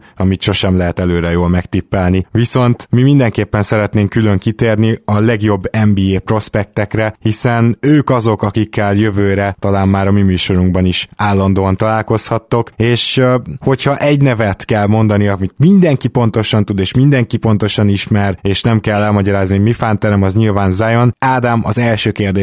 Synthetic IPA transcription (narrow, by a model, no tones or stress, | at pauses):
ɒmit̪ʃo̞ʃɛmlɛɦɛt̪ɛløːɾɛjoːlmɛkt̪ipːɛlniʋiso̞nt̪mimind̪ɛŋkeːpːɛnsɛɾɛt̪neːŋkylø̞ŋkit̪eːrniɒlɛɡjo̞bːɛmbiːeːpro̞spɛk̚t̪ɛkrɛhisɛnøːkɒzo̞kɒkikːɛljøvøːɾɛt̪ɒlaːmːmaːɾɒmimyːʃo̞ɾuŋɡbɒniʃaːlːɒnd̪oːɒnt̪ɒlaːlko̞shɒt̪ːo̞keːʃho̞chɒʔɛɟnɛvɛt̪kɛlmo̞nd̪ɒniɒmit̪mind̪ɛŋkipo̞n̪t̪o̞ʃɒnt̪ud̪eːʃmind̪ɛŋkipo̞nt̪o̞ʃɒniʃmɛreːʃnɛmkɛlːɛlmɒɟɒɾaːzniomifant̪ɛɾɛmɒzɲilvaːnzajo̞naːd̪amɒzɛlʃøːkeːrd̪eː